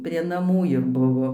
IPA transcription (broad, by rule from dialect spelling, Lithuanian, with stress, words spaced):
pʲrʲiɛ nɐˈmuː ɪr ˈbʊʋoː